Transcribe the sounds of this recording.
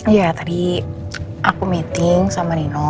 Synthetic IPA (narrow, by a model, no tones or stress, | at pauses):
jat̪adi | ʔakumit̪ɪŋsamaninɔ